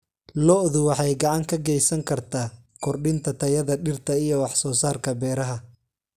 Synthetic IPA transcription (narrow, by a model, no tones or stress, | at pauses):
lɔʔðʊwɑħɑjɡɑʕɑŋkʰɐɡɛjsɐŋkʰɐrt̪ʰaːkʰɔrɖɪnt̪ʰɐt̪ʰɐjɐðɐɖɪrt̪ʰɐijɔwɑħsɔːsaːrkʰɐbɛːɾɐɦɐ